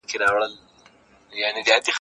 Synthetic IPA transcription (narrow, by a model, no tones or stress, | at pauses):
keɾɑwɽəl | janed̪əad̪ix